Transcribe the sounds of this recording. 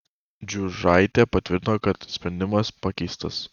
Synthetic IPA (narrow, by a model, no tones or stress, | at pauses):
d͡ʒʲuʒɐɪt̪ʲepɐt̪ʲʋʲɪɾʲt̪ʲɪnoːkɐt̪sʲpʲɾʲɛnʲd̪ʲɪmɐspɐkʲɛɪst̪ɐs